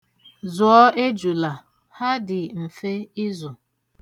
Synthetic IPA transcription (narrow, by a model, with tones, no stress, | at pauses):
zʊ˨ɔ˦e˦d͡ʒu˨la˨ | ha˦dɪ˨m̩˨fe˦ɪ˦zʊ˨